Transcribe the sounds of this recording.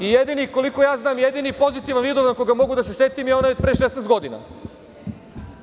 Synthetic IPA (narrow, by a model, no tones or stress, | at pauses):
ijed̪iniko̞liko̞jaːznaːmjed̪inipo̞zit̪iʋanʋiːd̪oʋnakoɡamo̞ɡud̪asese̞t̪imionojod̪pɾeːʃesest̪ɡo̞d̪ina̰